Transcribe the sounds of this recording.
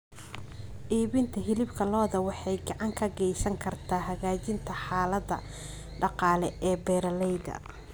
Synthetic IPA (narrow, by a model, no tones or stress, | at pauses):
ʔiːβɪnt̪ʰɐɦɪlɪbkʰɐlɔːðɐwɑħɑjɡɑʕɑŋkʰɐɡɛjsɐŋkʰɐrt̪ʰaːɦɐɣaːt͡ʃɪnt̪ʰɐħɑːlɐðɐ | ɖɑqɑːlɛɛːbɛːɾɐlɛjðɐ̰